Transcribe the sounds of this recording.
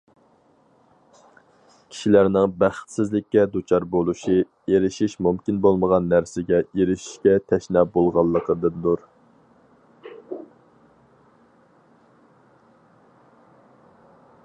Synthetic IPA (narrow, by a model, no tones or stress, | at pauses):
kʲʰi̥ʃilæɾnɪŋbæχt̪sɪzlɪkʲːɛd̪ut͡ʃʰɑɾbolˠuʃi | eɾɪʃiʃmumkʲinbolˠməʁɑnːæɾsɪɡʲɛeɾɪʃi̥ʃkʲɛt̪ʰɛʃnɛbolˠʁɑlˠːəqəd̪ɨnd̪uɾ